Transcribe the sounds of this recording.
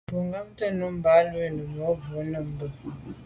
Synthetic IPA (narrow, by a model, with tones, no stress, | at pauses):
pu˨ŋɡə˦mtə˦nu˦m̩˦ba˨˦lə˦˨nə˨mo˨˦bu˨˦nə˨m̩˦bə˦˨